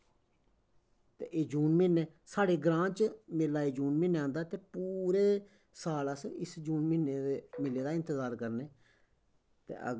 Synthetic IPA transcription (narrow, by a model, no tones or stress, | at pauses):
t̪ḛːʔeːd͡ʒuːnmɪnːeː | saːɽeːɡɾãːt͡ʃmɪlːaːeːd͡ʒuːnmɪnːeãːnd̪aːt̪eːpuːɾeː | saːlaːsɪsd͡ʒuːnmɪneːemɪlːeːd̪aːɪ̃nt̪əzaːɾkəɾneː | t̪ḛːə̰